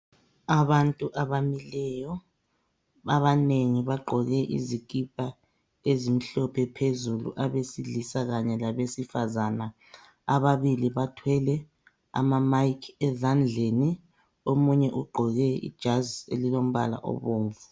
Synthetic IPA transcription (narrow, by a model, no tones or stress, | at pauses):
aβantʼuʔaβamilɛjɔ | aβaneŋiβaɡ͡ǃʱɔɣɛʔḭzikʼipʼa | ezim̩ɬɔpʰɛpʰezulṵʔaβesiɮisaɣaɲɛlaβesifazana | aβaβiliβatʰwɛlɛ | a̰mamaikʰɛzand͡ɮʱeni | omuɲɛʔuɡ͡ǃʱɔɣɛḭd̥ʒ̥ʱazḛlilom̩βa̰la̰ʔɔ̰βoːɱvu